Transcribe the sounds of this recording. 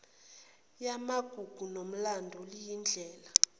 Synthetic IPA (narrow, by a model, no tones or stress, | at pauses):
jamaɡ̥ʱuɡ̥ʱunom̩landʱɔlijind͡ɮʱɛːla